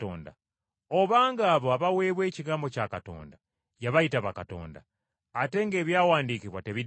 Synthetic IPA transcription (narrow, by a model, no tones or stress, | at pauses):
o̰ːnda̰ | oβaːŋɡaːβoaβawe̞ːβwe̞ːciɡaːmbo̞caːkato̞̰ːnda | jaβaitaβakato̞̰ːnda̰ː | te̞ŋɡe̞ːβjawaːndikiβwateβi